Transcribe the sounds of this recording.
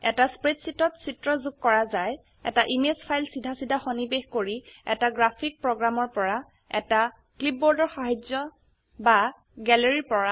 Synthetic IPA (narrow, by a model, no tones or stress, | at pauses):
ɛtaspɹetsitɔtsitɹɔzuɡ̚kɔɹazaj | ɛ̰taʔimespʰajlsidʱasidʱaxonibexkoɹiɛ̰taɡɹapʰik̚pɹɔɡɹamɔɹpɔɹa | ɛ̰ta | klip̚bɔɹdɔɹxaɦazɔ | ba | ɡɛleɹipɔɹa